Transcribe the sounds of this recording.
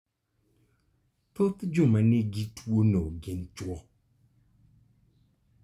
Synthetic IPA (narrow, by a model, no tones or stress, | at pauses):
totɨd͡ʒʊmaneɡitʰuonoɡɪnt͡ʃuɔ